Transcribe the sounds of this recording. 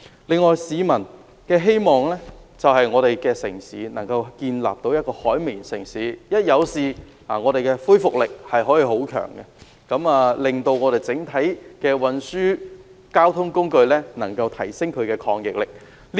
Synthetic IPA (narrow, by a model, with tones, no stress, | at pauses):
lɪ˨˧ŋːɔː˨jsiː˨˧mɐ˨˩n | kɛː˧ɦe˥jmɔː˨ŋlɛː˥t͡sɐ˨wɦɐ˨jŋɔː˨˧ɾe˨jkɛː˧sɪ̰˨˩ŋsḭː˨˥nɐ̰˨˩ŋkɐ˧wkiː˧nla̰ː˨p̚t̪o˨˥wjɐ˥t̚kɔː˧hɔː˨˥jmi˨nsɪ˨˩ŋsiː˨˦jɐ˥t̚jɐ˨˧wsiː˨ | aː˨˩ŋɔː˨˧ɾe˨jkɛː˧fuː˥jfʊ˨k̚lɪ˨k̚hɐ˨jɦɔː˨˥jiː˧ho˨˥wkʰœ̰ː˨˩ŋkɛ˧ | kɐ˨˥maː˨lɪ˨˩ŋt̪o˧wŋɔː˨˧ɾe˨jt͡sɪ˨˥ŋt̪ʰɐ˨˥jkɛː˧wɐ˨˧nsyː˥kaː˥wt̪ʰʊ˥ŋkʊ˥ŋkɵ˧ɥlɛː˥nɐ̰˨˩ŋkɐ˧wt̪ʰɐ˨˩jsɪ˥ŋkʰɵ˨˧ɥkɛː˧kʰɔː˧ŋjɪ˨k̚lɪ˨k̚ | l